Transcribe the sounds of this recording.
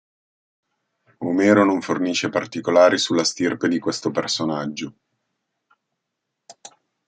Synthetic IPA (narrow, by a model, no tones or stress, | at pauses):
omeːɾonoɱforniːʃːepart̪ikolaːɾisulːast̪irped̪ikwest̪opersonad͡ʒːo